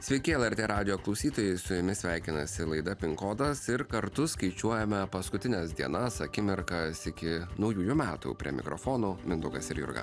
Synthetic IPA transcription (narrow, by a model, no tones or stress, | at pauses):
sʲʋʲɛɪkʲɪɛlˠɛɾʲt̪ʲeːɾɑːd̪ʲɪjoːklˠɒʊsʲiːt̪oːjɛɪsʊjʊmʲɪsʲʋʲæɪkʲɪnɐsʲɪlˠɐɪd̪ɐpʲɪŋkoːd̪ɐsɪɾkɐɾt̪ʊskɐɪt͡ʃʲuɔjɛmʲɛpɐskʊt̪ʲɪnʲɛsd̪ʲiɛnɐsɐkʲɪmʲɪɾkɐsɪkʲɪnɒʊjuːjʊmʲæːt̪ṵːpʲɾʲḭɛmʲɪ̰kɾo̰foːnoːmʲɪnd̪ʊɡɐsɪɾjʊ̰ɾɡɐ̰